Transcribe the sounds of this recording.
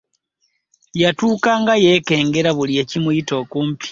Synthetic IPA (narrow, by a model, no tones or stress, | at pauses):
jatuːkaːŋɡajeke̞ːŋɡeɾaβulijecimuito̞kuːmpi̥